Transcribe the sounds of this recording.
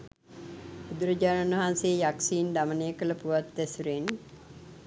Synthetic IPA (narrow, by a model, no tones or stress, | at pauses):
ud̪uɾəd͡ʒaːnanʋɐɦanseːjaksiːnd̪amənejəkələpuʋat̪ːɛsuɾen